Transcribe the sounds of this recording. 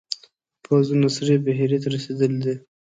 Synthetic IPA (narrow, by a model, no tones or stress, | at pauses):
pʰazunasɾebaɦiɾet̪aɾased̪əld̪i